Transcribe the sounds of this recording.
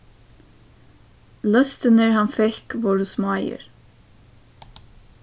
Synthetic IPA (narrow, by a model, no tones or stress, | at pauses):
lœst̪ənəɹhɑnfɛkʋɑːɾʉsmoːæɪə̰ɹ